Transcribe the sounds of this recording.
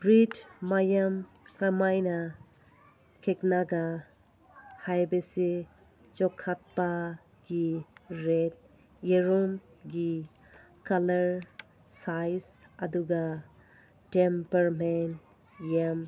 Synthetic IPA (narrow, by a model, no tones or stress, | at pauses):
bɾidːajam | kamajna | kʰeknaɡa | hajbesi | t͡ʃɔkʰːat̚pa | ɡiɾet̚ | jeɾom | ɡi | kalɐɾ | sajsɐduɡa | ʈempɐɾmen | jam